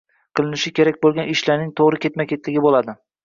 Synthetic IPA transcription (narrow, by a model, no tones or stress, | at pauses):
qʰɨlˠɪnɪʃɪkʲʰe̞ɾakʲbolˠɡʲanɪʃlaɾnɪŋt̪ʰoʁɾɪkʲʰe̞t̪makʲʰe̞t̪lɪɡʲɪbolˠad̪ɪ